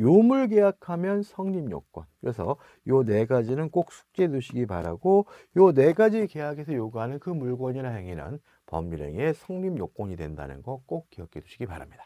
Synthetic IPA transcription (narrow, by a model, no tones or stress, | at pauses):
jomuɭɡejakʰamjʌnsʰʌŋɲimjo̰k͈wʌnkɯɾe̞sʰʌ | jone̞ɡad͡ʑinɯnk͈ok̚sʰu̥k̚t͡ɕ͈e̞duɕʰiɡipaɾa̰ɡo | jone̞ɡad͡ʑike̞jaɡe̞sʰʌjoɡuɦanɯnkɯmuɭɡwʌɲiɾaɦeŋinɯ̰n | pʌ̰miɾe̞̰ŋe̞sʰʌŋɲimjok͈wʌɲidwe̞nda̰nɯ̰nɡʌk͈ok̚k͈ːiʌk͈ʰeduɕʰiɡipaɾamɲid̥a